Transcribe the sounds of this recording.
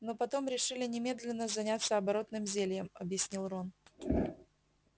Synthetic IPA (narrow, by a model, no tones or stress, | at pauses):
no̞pɐt̪o̞mɾʲɪʂɨlʲɪnʲɪmʲe̞d̪lʲɪnːəzɐnʲat̪sːəɐbɐɾo̞t̪nɨmzʲelʲjəmɐbjɪsʲnʲilˠron